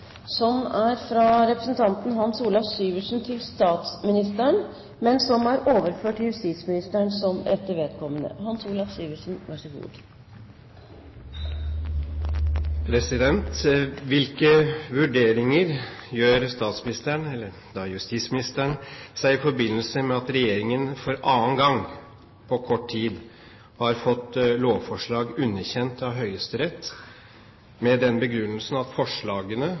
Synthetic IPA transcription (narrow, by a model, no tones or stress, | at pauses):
sɔmæɾfɾɑɾɛpɾəsn̩t̪ʰɑnt̪n̩ɦɑnsuːlɑfsyːʋəʂn̩t̪ʰɪlst̪ɑːt̪smɪnɪst̪əɳ | mɛnsɔmæɾoːʋəɾføːʈːɪjʉst̪iːt̪smɪnɪst̪əɳsɔmɛt̪ːəɾʋeːd̪kʰɔmːənə̰hɑnsuːlɑfsyːʋəʂn̩ʋæʂəɡṵːd̪ | pʰɾɛsɪd̪ɛnt̪ʋɪlkəʋʉɖeːɾɪŋəɾjøːɾst̪ɑːt̪smɪnɪst̪əɳɛlːə | d̪ɑjʉst̪ismɪnɪst̪əɳsæɪɪfɔɾbɪnːəlsəmɛɑt̪ɾɛjeːɾɪŋənfɔɾɑːnɡɑŋ | pʰɔkʰɔʈʰiːd̪ | hɑɾfɔt̪ːloːʋfɔʂɭɑːɡʉnːəçɛnt̪ɑʋɦœʏəst̪əɾɛt̪ː | mɛd̪ɛnbəɡɾʉnːəlsnɑt̪fɔʂɭɑːɡənə